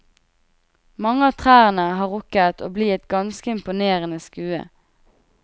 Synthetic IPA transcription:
mɑŋəɑːt̪ʰʁæːʁənəhɑːʁʊkət̪ʰo̰ːbliːɛt̪̚ɡɑnskəɪmpʊneːʁənəskʉːə̰

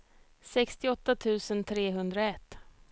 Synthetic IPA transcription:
sɛkst̪ɪɔt̪ːat̪ʰʉ̟ːsənt̪ʰɾeːɦɵnd̪ɾaɛt̪ː

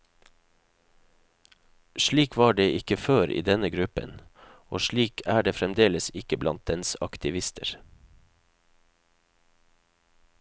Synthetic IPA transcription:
ʃɭiːkʰʋɑːɖeːʔɪkəføːɾʔḭːd̪ɛnəɡɾʉpə̰n | ʔoːʃɭiːkʰæːɖeːfɾɛmd̪eːləsɪkəblɑ̰nt̪̚d̪ɛnsɑkt̪ʰɪʋɪst̪ʰə̰ɾ

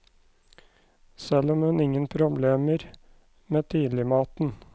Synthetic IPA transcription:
sɛlɔmhʉnɪŋənpʰɾʊbleːməɾ | meːt̪ʰiːlɪmɑːt̪n̩

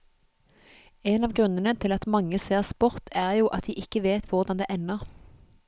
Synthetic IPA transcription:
eːnɑːʋɡʁʉnənət̪ʰɪlɑt̪mɑŋəseːʁspɔʁt̪ʰæːʁjuːʔɑt̪̚d̪iːʔɪkəʋeːt̪ʰʋʊʁd̪ɑnd̪ḛːʔɛnəʁ

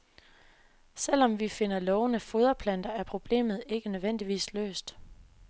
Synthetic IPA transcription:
sel̰ɒ̽mʋife̝n̰ɐlɒʊnəfoð̞ˠɐpʰlæn̰d̥ɐæɐpʰʁo̝b̥le̝̰ːmð̞̩ˠe̝ɡ̥ənøðˠʋen̰d̥iʋḭːslø̰ːsd̥

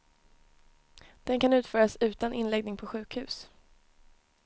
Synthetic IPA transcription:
d̪̥ɛnkanʉ̟ːt̪fœːɾasʉ̟ːt̪anʔɪnlɛɡ̚nɪŋpʰɔɧʉ̟ːkhʉ̟ːs

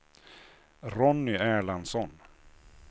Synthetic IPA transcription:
ɾɔnːʏæːɭansɔn

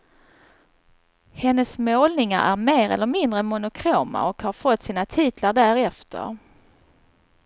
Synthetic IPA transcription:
hɛnːəsmoːlnɪŋa̰ɾʔæ̰ɾmeːɾɛ̰lːəɾmɪnd̪ɾəmʊnʊkʰɾoːma̰ɔkhaɾfɔt̪ːsiːnat̪ʰiːt̪laɖæɾɛft̪ʰə̰ɾ

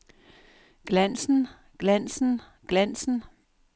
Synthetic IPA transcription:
ɡ̥læn̰sn̩ | ɡ̥læn̰sn̩ | ɡ̥læn̰sn̩

